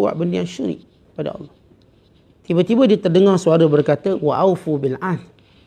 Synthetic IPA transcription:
wa̰ʔbəndəjaŋʃuɾḭʔ | pada̰ɑ̰lːɑh | t̪ibat̪ibadiət̪ərdəŋarsuaɾəbərkat̪əwaʔawfubilan

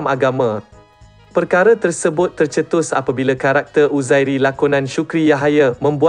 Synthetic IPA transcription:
maɡamã | pərkaɾat̪ərsəbʊt̪ːərt͡ʃət̪ʊsa̰pabilakaɾak̚t̪ərʔuzajɾilakunãnʃukɾijaɦajamə̃mbua

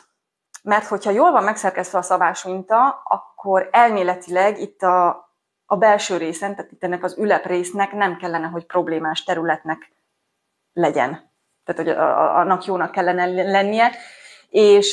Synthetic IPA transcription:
mɛrt̪ho̞chɒjoːlvɒmːɛksɛrkɛst̪ʋɛɒsɒbaːʃunt̪ɒɒ̰kʰːo̞ɾɛlmeːlɛt̪ilɛɡit̪ːɒː | bɛlʃøːɾeːsɛnt̪aːt̪it̪ːɛnːɛkɒzylɛpreːsnɛknɛmkɛlːɛnɛɦo̞cpro̞bleːmaːʃt̪ɛɾylɛt̪nɛk | lɛɟɛ̰n | t̪aːt̪ho̞ɟ̰ɒ̰nːɒkjoːnɒkːɛlːɛnɛlɛnːijɛ | eːʃ

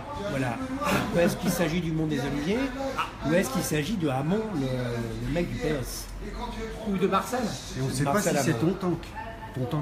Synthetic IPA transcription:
vwalapɛskilsaʒid̪ymɔ̃d̪ezɔlivje | uɛskilsaʒid̪əamɔ̃lələmɛk̚d̪ypeɛs | ud̪əbaʁsɛl | eɔ̃sɛaʁpasɛlamsɛɔ̃t̪ɔ̃t̪ɑ̃k̪ | ɔ̃t̪ɑ̃

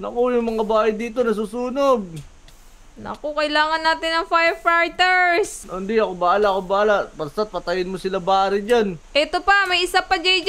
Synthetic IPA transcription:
nɐkojʊŋmɐŋabaːhɐd̪iːt̪o̞nɐs̬usuːnoɡ̚ | nɐ̰kokɐɪlaːŋɐnːaːt̪ɪnɐŋfajfajt̪ɛɹsond̪iɐkobɐaːlaʔkobɐaːlapɐɾst̪at̪̚pɐt̪ɐjɪnmosɪlabaːɾɪd͡ʒanʔɛt̪opɐmɐjɪsapɐd͡ʒɐjd͡ʒ

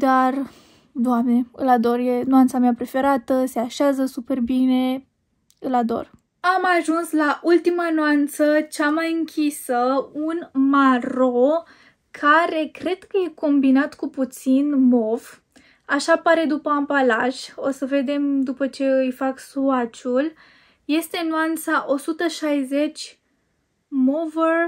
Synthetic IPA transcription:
d̪ar | d̪oamne̞ɨ̰lad̪o̞rjenoant̪sameapɾe̞fe̞ɾat̪əse̞aʃeazəsupe̞rbine̞ | ɨlad̪o̞̰r | amaʒunslaʔult̪imanoant̪sət͡ʃamajɨŋkʲisəunmaɾo | kʰaɾe̞kɾe̞d̪̥kəjeko̞mbinat̪kuput̪sinmov | aʃapaɾe̞d̪upəampalaʒo̞səve̞d̪e̞md̪upət͡ʃe̞ɨjfaksuat͡ʃul | je̞st̪e̞noant̪saʔo̞sut̪əʃajze̞t͡ʃʲ | movər

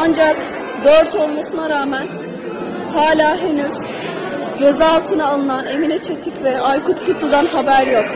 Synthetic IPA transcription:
and͡ʒak | d̪øɾt̪ʰo̞lˠmasɯnaɾaːmæn | haːlʲaːɦe̞nyz̥ | ɟø̞zɛalˠt̪ʰɯnaːlˠɯnane̞minɛt͡ʃʰe̞t̪ʰicvɛajkʰut̪kʰut̪lˠud̪anɦabæɾjo̞k̚

